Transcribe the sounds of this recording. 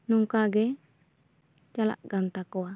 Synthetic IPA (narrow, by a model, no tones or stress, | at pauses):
nuŋkaɡɛ | t͡ʃala̰ʔɡant̪akoa